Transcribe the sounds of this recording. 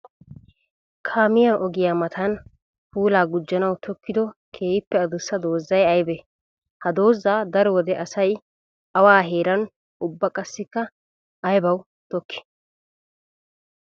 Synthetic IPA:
kʰaːmɪjaʔɔɡɪjamɐt̪ʰɐn | puːlaːɡʊd͡ʒːɐnɐwt̪ʰɔkːɪd̪ɔkʰe̞ːjɪpːɛɐd̪ʊsːɐd̪o̞ːzːɐjɐjbɛ | hɐd̪o̞ːzːaːd̪ɐɾɔwɔd̪ɛʔɐsɐj | ɐwaːɦe̞ːɾɐn | ʊbːɐkʼɐsːɪkːɐː | jbɐw | t̪ɔkːɪ̥

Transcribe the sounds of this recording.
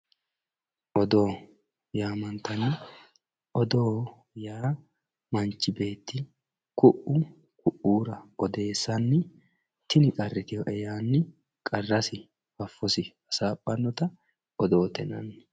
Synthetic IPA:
ʔɔd̪o̞ː | jaːmɐnt̪ɐnːɪ | ʔɔd̪o̞ː | jaː | mɐnt͡ʃːɪbe̞ːt̪ːɪ | kʊʔʊ | kʰʊʔːuːɾɐɔd̪e̞ːsːɐnːɪ | t̪ɪnɪkʼɐrːɪt̪ɪjɔʔɛjaːnːɪ | kʼɐrːɐsɪ | fɐfːɔsɪ | ɐsaːpʼːɐnːɔt̪ɐ | ʔɔd̪o̞ːt̪ɛnɐ̰n

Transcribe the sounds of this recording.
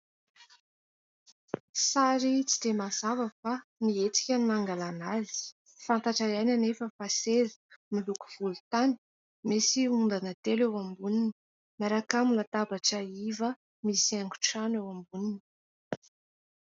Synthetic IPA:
saɾit͡si̥d̪̥emazavəfaniet͡si̥kʲənnaŋɡalanazi̥ | fant̪aʈ͡ʂajajnanefəfasezə̥miluku̥v̥ulut̪ani̥ | mesiund̪anət̪elewambunini̥ | maɾakamulat̪abaʈ͡ʂəivə | misiaŋɡu̥ʈ͡ʂanewambunini̥

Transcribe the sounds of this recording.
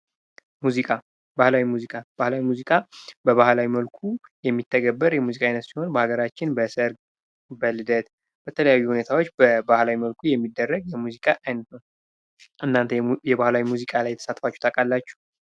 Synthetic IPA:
muzikʼa | bahlawimuzikʼab̥ahlawimuzikʼabəβahlawiməlkʰujɛmːit̪ʰːəɡəbːəɾjɛmuzikʼajnət̪siho̞nbəhaɡəɾat͡ʃːɪnbəsəɾɡ | bəlɨd̪ət̪ | b̥ət̪ʰələjajːuhune̞t̪ʰawo̞t͡ʃːbəbahlawiməlkʰujɛmːid̪ːərːəɡjɛmuzikʼaʔajnət̪nəw | ʔɨnːant̪ʰəjɛβahlawimuzikʼalajɛt̪ʰə̥sat̪fat͡ʃːu̥t̪ʰakʼalːat͡ʃːu̥

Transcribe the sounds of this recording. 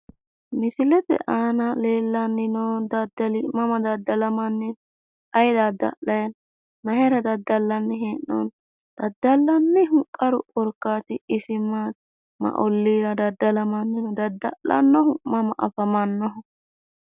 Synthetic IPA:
mɪsɪlɛpɛ̰ʔaːnɐleːlːɐnːɪnɔd̪ɐd̪ːɐlimɐmɐd̪ɐd̪ːɐlɐmɐnːɪ | ɐjd̪ɐd̪ːɐ̰ʔɐjɐn | nɐɦɛɾɐd̪ɐd̪ːɐlːɐnːɛɦeːnːɔ̰n | d̪̥ɐd̪ːɐlːɐnːɛɦʊkʼːɐɾʊʔʼɔɾkːaːt̪ɪɪsɪma | mɐ̰ʔɔlːiːɾɐd̪ɐd̪ːɐlɐmɐnːɪnɔd̪ɐd̪ːɐʔɐ̰nːɔɦʊmɐmɐʔɐ̰fɐmɐnːɔɦʊ

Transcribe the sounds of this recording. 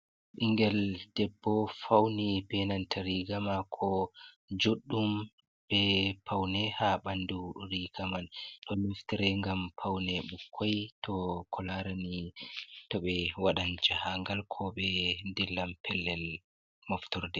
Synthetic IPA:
ʔiŋɡɛld̥ɛbːɔfawnibɛnantʰaɾiɡamakʰɔ | d͡ʒoɗːum | b̥ɛpʰawnɛhaɓanduɾiɡamanɗɔniftɛɾɛŋɡampʰawnɛɓukʰːɔjtʰɔkʰɔlaɾani | tɔɓɛwaɗand͡ʒahaŋɡalkʰɔɓɛndɛlːampʰɛlːɛl | mɔftɔɾdɛ

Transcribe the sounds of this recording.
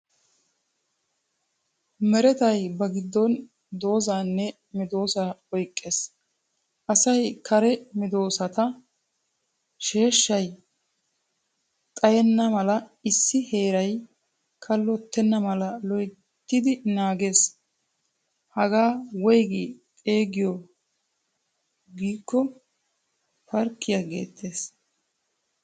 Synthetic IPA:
mɛɾɛt̪ɐjbɐɡɪd̪ːɔn | d̪o̞ːzaːnːɛ | mɪd̪o̞ːsaɔjkʼːeːs | ʔɐsɐjkʰɐɾɛmɪd̪o̞ːsɐt̪ɐ | ʃe̞ːʃːɐj | t̪ʼɐjɛnːɐmɐlɐɪsːɪhe̞ːɾɐj | kʰɐlːɔt̪ːɛnːɐmɐlɐlɔj | t̪ːɪd̪ɪnaːɡe̞ːs | hɐɡaːwɔjɡikʼeːɡɪjɔ | ɡiːkːɔ | fɐɾkːɪjaɡḛːt̪ʰːe̞ːs

